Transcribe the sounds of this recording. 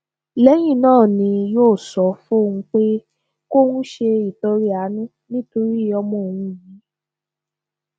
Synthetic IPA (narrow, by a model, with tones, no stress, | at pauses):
lɛ˦j̃ĩ˦˨nãː˦˨nĩ˧joː˦˨sɔ˨˦fu˦o˦˨ŋũ˧k͡pe˦ | ko˦wũ˦ʃe˧i˨to˧ɾi˦a˨˦nũ˦ | nĩ˦to˧ɾi˦˨ɔ˧mɔ̃˧o˨w̃ũ˧ji˨˦